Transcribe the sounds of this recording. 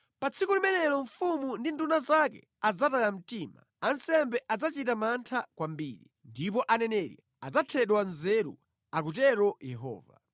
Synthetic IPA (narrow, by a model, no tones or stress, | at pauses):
pat͡sʰikulimɛnɛlɔɱfumundindunazakɛ̰ | ad͡zatajam̩tiːma̰ | ansɛmbɛʔad͡zat͡ʃitamantʰakwambḭːɾḭndip̬ɔʔanɛnɛɾḭ | ad͡zatʰɛɗwanzɛɾṵ | ak̬ut̬ɛɾɔjɛɦɔ̰ːva̰